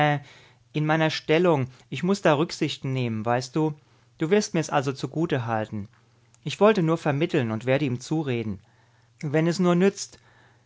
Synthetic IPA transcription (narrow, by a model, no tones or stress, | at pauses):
ɛ | ʔɪnmaɪnɐʃtɛlʊŋʔɪçmʊsd̥aːʁʏkz̥ɪçtn̩neːmənvaɪst̚d̥uː | d̥uːvɪɐstmiːɐɛsʔalzot͡suɡuːtəɦaltn̩ | ʔɪçv̥ɔltənuːɐfɛɐmɪtl̩nʊntv̥eːɐɾəiːmt͡suːʁeːdn̩ | vɛnɛsnuːɐnʏt͡st